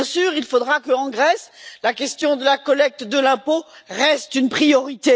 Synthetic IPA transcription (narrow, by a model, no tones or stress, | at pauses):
ɛ̃syːʁilfod̪ʁakəɑ̃ɡʁɛslakʲɛst̪jɔ̃d̪əlakɔlɛk̚t̪d̪əlɛ̃poʁɛst̪ynpχijɔʁit̪e